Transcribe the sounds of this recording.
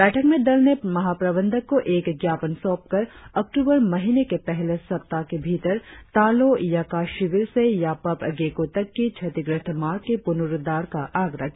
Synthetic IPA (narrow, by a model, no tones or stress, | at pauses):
bɛːʈʰəkmẽd̪ɐlnemɐɦaːpɾəbə̃nd̪ʱəkːoʔeːkɡjaːpənsɔːp̚kɐɾɐk̚ʈuːbəɾmɐɦinekepɛɦlesɐp̚t̪akebʱiːt̪əɾt̪aːlojakaːʃɪʋɪɾsejapɐpɡeːkoːt̪ɐkːit͡ʃʰɐt̪ɪɡɾɪt̪ʰmaːɾkepʊnʊɾd̪aːɾkaʔaːɡɾə̰d͡ʒ